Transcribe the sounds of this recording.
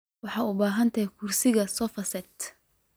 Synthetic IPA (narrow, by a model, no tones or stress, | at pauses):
wɑħɑːʊbaːɦɐnt̪ʰɐjkʰʊrsɪɣɐsɔfɐsɛt̪